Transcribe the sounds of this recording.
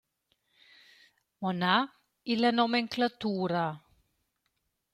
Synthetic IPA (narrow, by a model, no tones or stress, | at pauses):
mona | ilanɔmeŋklat̪uːɾa